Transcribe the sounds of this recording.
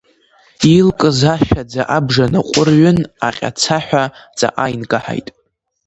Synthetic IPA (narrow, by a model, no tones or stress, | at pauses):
ilkʼɨzaʃᶣad͡zaʔabʐanaqʷʼʊrɥʊnaqʲʼa̰t͡sʰaħʷᶣad͡za̰ʔajnɡʼaħa̰jtʼ